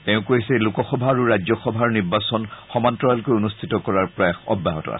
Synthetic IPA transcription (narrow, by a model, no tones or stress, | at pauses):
tẽʊ̃koisɛlukɔxɔbʱaːɹuɹajzɔxɔbʱaɹniɹbasɔnxɔmantɹɔalkojunustʰitɔkɔɹaɹpɹɔjaxɔ̰bːaɦɔtɔ̰a̰sɛ̥